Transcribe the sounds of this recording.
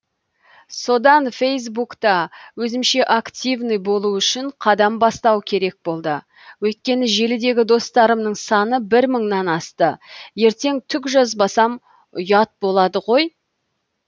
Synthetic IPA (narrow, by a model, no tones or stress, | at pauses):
so̞d̪ɑnfe̞js̬bukt̪ɑwɵzɪmʃe̞ʔakt̪ʲivnɨjbo̞lˠuʏʃɪɴqʰɑd̪ɑmbɑst̪ɑwkʲʰe̞ɾe̞k̚bo̞lˠd̪ə | wɵjt̪̚kʲe̞nɪʒe̞lɪd̪e̞ɡʲɪd̪o̞st̪ɑɾəmnəɴsɑnəbɪɾməɴnɑnɑst̪əje̞ɾt̪e̞ŋt̪ʰʏkʒɑzbɑsɑm | ʊjɑt̪̚bo̞lˠɑd̪əʁo̞j